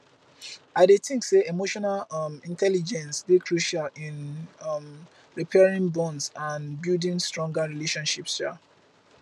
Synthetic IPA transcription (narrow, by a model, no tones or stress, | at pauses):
aɪdetʰɪ̃ŋkseemoʃɔnalʌmĩntʰɛlid͡ʒɛ̃nsbikʰɹuʃalĩnʌm | ɹipʰɛɹĩŋbɔ̃nsãnbildĩŋstɹɔ̃ŋɡaɹileʃɔ̃nʃipsa̰